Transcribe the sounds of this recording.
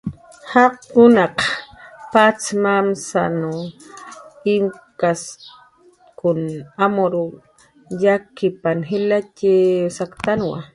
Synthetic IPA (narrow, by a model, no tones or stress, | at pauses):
haqʊnaqpat͡smamsa̰nu | ɪmkas | kʊnamoɾu | jakɪpanɦɪlacɪsakt̪anwa̰